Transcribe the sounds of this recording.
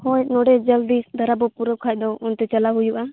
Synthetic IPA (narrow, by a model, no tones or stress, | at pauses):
hɔjnɔɖɛd͡ʒəld̪isd̪ʱaɾabɔpuɾɔkʰajd̪ɔɔnt̪ɛt͡ʃalaɦujuʔa